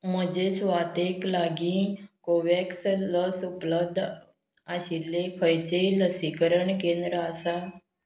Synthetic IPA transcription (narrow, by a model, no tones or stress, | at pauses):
məd͡ʒesʋat̪eklaɡĩkoʋeksləsupləb̚d̪ʱ | aɕilːekʰəɾit͡ʃeiləsikəɾəɳkẽnd̪ɾəasa